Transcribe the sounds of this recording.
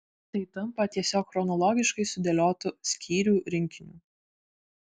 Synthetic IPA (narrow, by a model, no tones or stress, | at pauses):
t̪ɐɪt̪ɐmpɐt̪ʲiɛsʲoːkxɾɔnɔlˠɔːɡʲɪʃkɐɪsʊd̪ʲɛlʲoːt̪ʊsʲkʲiːɾʲuːɾʲɪŋʲkʲɪnʲṵː